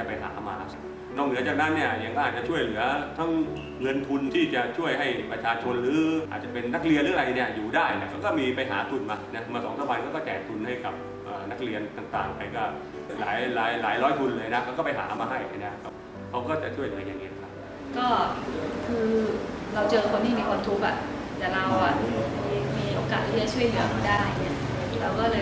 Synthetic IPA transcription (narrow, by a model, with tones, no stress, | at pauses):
a˧˩pa˧jɦa̰ː˩˦maː˧ | nɔː˥˩nɯ˩˦ɐt͡ɕa˨˩k̚na˦˥nːi˥˩ɐja˨˩ŋkʰɔː˥˩aː˨˩t̪̚t͡ɕa˨˩t͡ɕʰu˥˩əjlɯ˩˦ɐt̪ʰa˦˥ŋ | ŋɤ˧nt̪ʰu˧nt̪ʰiː˥˩t͡ɕa˨˩ʔt͡ɕʰu˥˩əjɦa˥˩jpɾa˧t͡ɕʰaː˧t͡ɕʰo˧nɾɯː˨˦ʔa̰ː˨˩t̪̚t͡ɕa˨˩pe˧nːa˦˥k̚li˧nlɯː˨˦˧ɾa˧jni˥˩ɐjuː˨˩daː˥˩jni˦˥˩kʰa˧˥˩wkɔː˥˩miː˧pa˧jɦa̰ː˩˦t̪ʰu˧nmaː˧na˦˥maː˧sɔː˩˦ŋsʰa˧˦ba˧jkʰaː˥˩kɔː˥˩t͡ɕɛː˨˩t̪ʰu˧nha˥˩jka˨˩p̚ | ʔəː˨˩na˦˥k̚li˧ənt̪aː˨˩ŋt̪aː˨˩ŋpa˧jkɔː˥˩ | laː˩˦jlaː˩˦jlaː˩˦jɾɔː˦˥jt̪ʰu˧nlɤː˧jna˦˥kʰa˧˥wkɔː˥˩pa˧jɦa̰ː˩˦maː˧ɦa˥˩ja˧˥˩jna˦˥kʰa˦˥w | kʰa˦˥wkɔː˥˩t͡ɕa˨˩t͡ɕʰu˥˩əjlɯ˩˦əjaː˨˧ŋːi˦˥n˧˩kʰa˦˥p̚ | kɔː˥˩kʰɯː˧ɾa˧wt͡ɕɤː˧kʰo˧nt̪ʰiː˥˩miː˧kʰwaː˧mt̪ʰu˦˥k̚ʔa̰˨˩ʔlaː˧˩ɾa˧wʔa˨˩eː˧ŋmiː˧ʔoː˧kaː˨˩t̪̚ʰːiː˥˩a˨˩t͡ɕʰu˥˩əjlɯ˨˦ɐmʰaː˥˩daː˥˩jni˦˥˩ɐ˨ | ɾaː˧wkɔː˥˩lɤː˧